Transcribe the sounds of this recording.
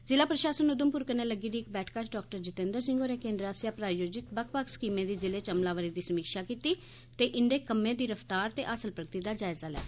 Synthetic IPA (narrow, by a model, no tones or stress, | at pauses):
zɪlaːpɾəʃaːsənʊd̪əmpʊɾkəneːləɡiːd̪iːɪk̚bɛːʈʰkat͡ʃɖɔːkʈəɾd͡ʒɪt̪ẽːnd̪əɾsɪ̃ŋɡoːɾeːkẽːnd̪ɾaːsjaːpɾaːjoːd͡ʒɪt̪bəkʰpəkskiːmẽːd̪iːzɪleːt͡ʃəmlaːʋəɾiːd̪iːsəmiːkʃaːkiːt̪iː | t̪eːʔɪnd̪eːkəmːẽːd̪iːɾəfʰt̪aːɾt̪ḛːʔaːsəlpɾək̚t̪iːd̪aːd͡ʒaːɪzaːlɛ̰ː